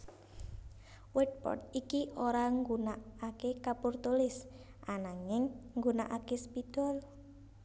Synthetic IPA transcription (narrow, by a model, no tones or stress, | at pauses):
wɛd̚pɔ̰t̪̚ikiʔoɾaŋɡunaakekapurt̪ulɪs | ʔanaŋɪŋːɡunaʔakespit̪ɔl